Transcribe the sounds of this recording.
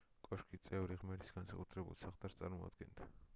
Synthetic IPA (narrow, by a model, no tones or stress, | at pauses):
kʼɔʃkʰit̪sʼɛvɾiʁmɛɾʰisɡ̥ansakʼut̪ʰɾɛbṵlˠsaχt̪ʼaɾst̪sʼaɾmɔa̰d̪ɡɛnd̪a